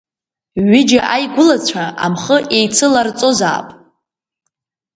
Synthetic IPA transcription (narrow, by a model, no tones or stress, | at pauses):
ɥɪd͡ʒaʔajɡʷʊlat͡ɕʷʰaʔa̰mχəʔejt͡sʰɨlart͡sʼo̞za̰ːpʼ